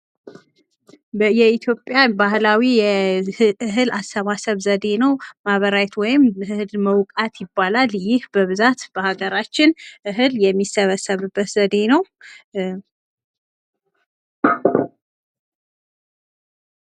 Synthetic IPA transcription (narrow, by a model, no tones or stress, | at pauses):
bəjɛit̪ʰjo̞pʼjabahlawijɛʔɨɦɨlast̪əβasəβzəd̪e̞nəwmaβəɾajt̪wɔjɪmɨhɨlməwkʼat̪jɪbːalaljɪhbəβɨzat̪b̥əhaɡəɾat͡ʃːɪnʔɨɦɨljɛmːisəβəsəβɨbːət̪zəd̪e̞nəw